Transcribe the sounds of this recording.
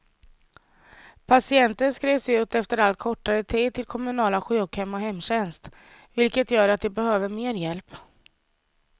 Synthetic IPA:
pʰasɪɛnt̪ənskɾeːvsʉ̟ːt̪ɛft̪əɾalt̪̚kʰɔʈːaɾət̪ʰiːd̪̚t̪ʰɪlkʰɔmɵnɑːlaɧykhɛmːɔɦɛmːɕɛnst̪ | vɪlkət̪jœːɾat̪̚d̪ɛbɛhøːvəɾmeːɾjɛlp

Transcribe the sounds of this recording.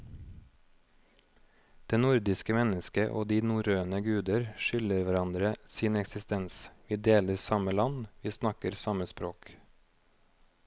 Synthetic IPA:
d̪̥eːnʊɾd̪ɪskəmɛnəskəʔo̰ːd̪iːnuːɾøːnəɡʉːd̪əɾʃʏləɾʋæɾɑnd̪ɾəsiːnɛksɪst̪ɛnsʋiːd̪eːləɾsɑməlɑnʋiːsnɑkəɾsɑməspɾoːk

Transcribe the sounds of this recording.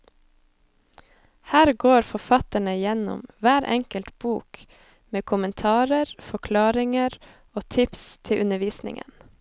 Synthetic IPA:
hæːɾɡoːɾfɔfɑt̪əɳəjɛnɔ̰mʋæːɾʔɛ̰ŋkəlt̪b̥uːk | meːkʰʊmənt̪ʰɑːɾəɾfɔkʰlɑːɾɪŋəɾ | oːt̪ʰɪpst̪ʰɪʔʉnəʋiːsnɪ̰ŋə̰n

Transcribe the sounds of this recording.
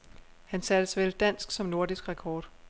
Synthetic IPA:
hænsæd̥əsʋeld̥æn̰sɡ̥sɒ̽mno̝ɐd̥isɡ̥ʁɛkʰɒːd̥

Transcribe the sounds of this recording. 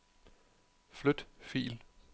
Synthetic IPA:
flød̥fḭːl

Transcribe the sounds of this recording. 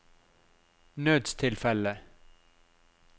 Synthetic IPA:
nøːd̪st̪ʰɪlfɛlə

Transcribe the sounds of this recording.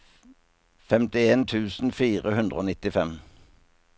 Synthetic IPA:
fɛmt̪ɪeːnt̪ʰʉːsn̩fiːʁəhʉnd̪ʁəoːnɪt̪ɪfɛm

